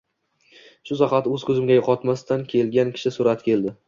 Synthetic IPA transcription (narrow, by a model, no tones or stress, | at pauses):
ʃʊsaqɑt̪ɵzkʰɵzɪmɡʲajoqʰɒt̪mast̪ankʲʰe̞lɡʲankʲʰɪ̥ʃɪsʊɾat̪kʲʰe̞ld̪ɪ